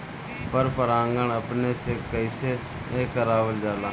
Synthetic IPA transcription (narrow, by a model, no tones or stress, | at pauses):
pəɾpəɾãːŋɡəɳəpneːseːkəɪseː | eːkəɾaːʋəld͡ʒaːlaː